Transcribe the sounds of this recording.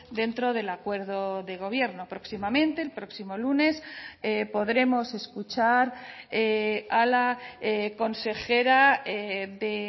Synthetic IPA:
d̪e̞nt̪ɾo̞ðe̞lakwe̞ɾðo̞ðe̞ɣ̞o̞β̞je̞ɾno̞pɾo̞ksimamẽ̞nt̪e̞ːlpɾo̞ksimo̞lune̞sepo̞ðɾe̞mo̞se̞skut͡ʃaɾealaeko̞nse̞xe̞ɾaeðe

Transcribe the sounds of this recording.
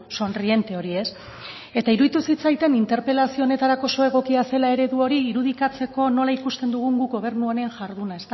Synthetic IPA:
so̞nrie̞nt̪e̞o̞ɾie̞s | e̞t̪aiɾuðit̪usit͡sajt̪e̞nint̪e̞ɾpe̞lasio̞ːne̞t̪aɾako̞so̞e̞ɣ̞o̞kiase̞lae̞ɾe̞ðuo̞ɾiːɾuðikat͡se̞ko̞no̞laikust̪e̞nd̪uɣuŋɡuɡo̞β̞e̞rnuaneanʝaɾðunae̞st̪a

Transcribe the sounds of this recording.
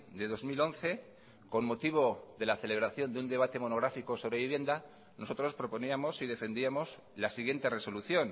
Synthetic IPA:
d̪e̞ðo̞zmilo̞nθe̞ | ko̞nmo̞t̪iβ̞o̞ðe̞laθe̞le̞β̞ɾaθjo̞nd̪eund̪e̞β̞at̪e̞mo̞no̞ɣ̞ɾafiko̞so̞βɾe̞βiβje̞nd̪a | no̞so̞t̪ɾo̞spɾo̞po̞niamo̞siðe̞fe̞nd̪iamo̞s | lasiɣ̞je̞nt̪e̞re̞so̞luθjo̞n

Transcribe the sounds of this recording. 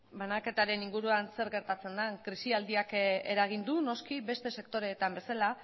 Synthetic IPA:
banake̞t̪aɾe̞niŋɡuɾuanse̞ɾɣe̞ɾt̪at͡se̞nd̪aŋkɾisiald̪iake̞̰ɾaɣ̞ind̪uno̞skibe̞st̪e̞se̞k̚t̪o̞ɾe̞t̪ambe̞sala

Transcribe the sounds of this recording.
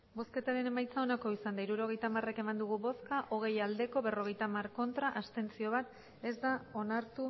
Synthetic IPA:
bo̞ske̞t̪aɾe̞ne̞majt͡sao̞nako̞isand̪aiɾuɾo̞ɣ̞e̞jt̪amare̞ke̞mand̪uɣ̞uβo̞skaʔo̞ɣ̞e̞jald̪e̞ko̞βe̞ro̞ɣ̞e̞jt̪amarko̞nt̪ɾaʔast̪e̞nt͡sio̞βat̪ | e̞zd̪ao̞naɾt̪u

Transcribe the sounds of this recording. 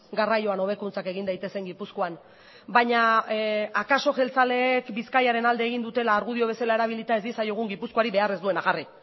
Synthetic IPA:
ɡarajo̞ano̞β̞e̞kunt͡sake̞ɣind̪ajt̪e̞se̞ŋɡipusko̞an | baɲa | akaso̞ʝe̞lt͡sale̞ːkbiskajaɾe̞nald̪eːɣind̪ut̪e̞laːɾɣuð̞io̞β̞e̞salae̞ɾaβ̞ilit̪aezisajoɣ̞uŋɡipusko̞aɾiβe̞are̞zd̪ue̞naɣari

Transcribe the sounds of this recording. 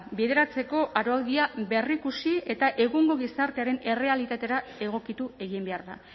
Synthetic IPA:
beðe̞ɾat͡se̞ko̞ʔaɾo̞awðiabe̞rikusie̞t̪aʔe̞ɣuŋɡo̞ɣ̞isaɾt̪e̞aɾe̞ne̞re̞alit̪at̪e̞ɾae̞ɣ̞o̞kit̪ue̞ɣ̞imbe̞aɾða̰

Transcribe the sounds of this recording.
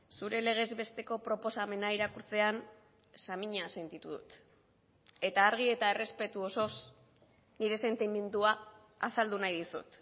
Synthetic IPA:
suɾe̞le̞ɣ̞e̞zβe̞st̪e̞ko̞pɾo̞po̞same̞naiɾakuɾt͡se̞an | samiɲase̞nt̪it̪uðṵt̪ | e̞t̪aːɾɣ̞ie̞t̪ae̞re̞spe̞t̪uo̞so̞s | niɾe̞se̞nt̪ime̞nd̪uaː | sald̪unajðisṵt̪

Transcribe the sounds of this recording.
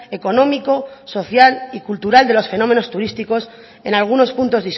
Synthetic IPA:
e̞ko̞nõ̞miko̞so̞θjalikult̪uɾald̪e̞lo̞sfe̞no̞mẽ̞no̞st̪uɾist̪iko̞s | e̞nalɣ̞uno̞spunt̪o̞zðis

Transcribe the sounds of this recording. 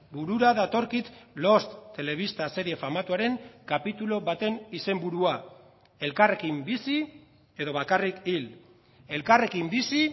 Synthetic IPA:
buɾuɾaðat̪o̞ɾkit̪lo̞st̪ːe̞le̞β̞ist̪ase̞ɾie̞famat̪uaɾe̞ŋkapit̪ulo̞βat̪e̞nise̞mbuɾua | e̞lkare̞kimbisi | e̞ðo̞β̞akarikil | e̞lkare̞kimbisi

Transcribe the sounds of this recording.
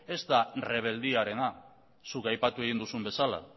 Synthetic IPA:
e̞zt̪are̞β̞e̞ld̪iaɾe̞na | sukajpat̪ue̞ɣind̪usumbe̞sala̰

